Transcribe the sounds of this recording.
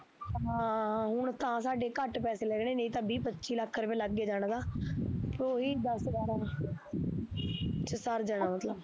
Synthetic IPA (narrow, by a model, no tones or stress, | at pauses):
ɦãːɦʊɳt̪ãːsaːɖeːkəʈpɛːseːlɛːɡneːnẽĩːt̪ə̃ːbiːpətːʃʰiːləkʰːɾpẽːləɡːeːd͡ʒaːɽ̃d̪aːpɾoːɦiːd̪əszaːɾɛː | t͡ʃəsəɾd͡ʒaːnaːmət̪ləb